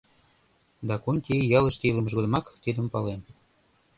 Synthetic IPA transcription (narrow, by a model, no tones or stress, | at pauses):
d̪ɑkunʲkʲejɑlə̆ʃt̪iləmə̆ʃɣod̪əmɑkt̪id̪əmpɑlen